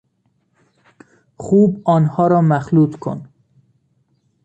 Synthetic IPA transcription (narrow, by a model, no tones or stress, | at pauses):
χuːbɒːnhɒːɾɒːmæxluːt̪ʰkʰo̰n